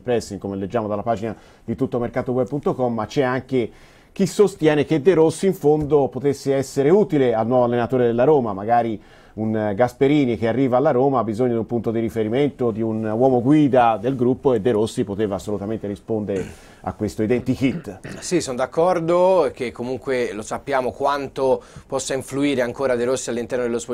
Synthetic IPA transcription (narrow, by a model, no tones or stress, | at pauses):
pɾɛsːiŋkomeled͡ʒːaːmod̪alːapaːd͡ʒina | d̪it̪ut̪ːomerkaːt̪owɛb̚punt̪okɔmːat͡ʃːɛaŋke | k̟isːost̪jɛːnek̟ed̪ːeɾosːiiɱfond̪opot̪esːeɛsːeɾeuːt̪ilealnwɔːvoalːenat̪oːɾed̪elːaɾoːmamaɡaːɾi | unɡaspeɾiːnik̟earːiːvaːlːaɾoːmaabːizoɲːod̪iumpunt̪od̪iɾifeɾiment̪od̪iunwɔːmoɡwiːd̪ad̪elɡɾupːoed̪ːeɾosːipot̪eːvaːsːolut̪ament̪eɾispond̪eɾe | a̰kːwest̪oid̪ɛnt̪ikit̪ːsisond̪akːɔrd̪ok̟ekːomuŋkwelosapːjaːmokwant̪opɔsːaiɱfluiːɾeaŋkoːɾad̪eɾosːialːint̪ɛrnod̪elosp